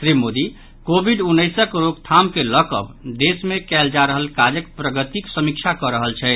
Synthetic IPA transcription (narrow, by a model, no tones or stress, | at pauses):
sɾimod̪i | kobʱiɖunːəjsəkɾoɡ̚t̪ʰamkeləkə̰bd̪esmekɛld͡ʒaɾəɦəlkad͡ʒəkpɾəɡət̪iksəmik̚t͡ʃʰakɔɾəɦəlt͡ʃʰɛ